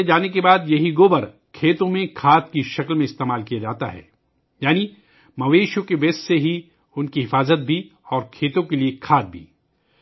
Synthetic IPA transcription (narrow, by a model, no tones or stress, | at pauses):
ed͡ʒaːnekebaːd̪jɐɦiɡoːbɐɾ | kʰeːt̪õmẽkʰaːt̪̚kiʃɐklmẽɪst̪eːmaːlkijad͡ʒaːt̪a̰ɦɛ̰ː | jaːni | mɐʋeːʃõkeʋeːsseɦi | ʊnkiɦɪfaːzət̪̚bʱi | ɔːɾkʰeːt̪õkeliekʰaːt̪̚bʱḭː